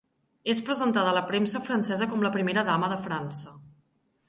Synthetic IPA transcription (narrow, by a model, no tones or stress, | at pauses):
espɾəzənt̪aðələpɾɛmsəfɾənsɛzəkɔmləpɾimeɾəðaməðəfɾansə